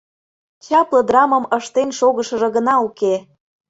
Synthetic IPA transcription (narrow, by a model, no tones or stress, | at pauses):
t͡ɕɑplˠɤ̆d̪rɑməməʃt̪enʃoɣəʃɤ̆ʒɤ̆ɣənɑuke